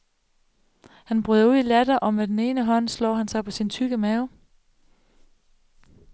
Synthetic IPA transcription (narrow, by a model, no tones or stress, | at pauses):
hænb̥ʁyðˠɐuð̰ˠilæd̥ɐʔɒ̽med̥ene̝ːnəɦɒ̽n̰slɔ̰ːhænsɑ̈ɪpʰɒ̽sint͡sʰyɡ̥əmæʊ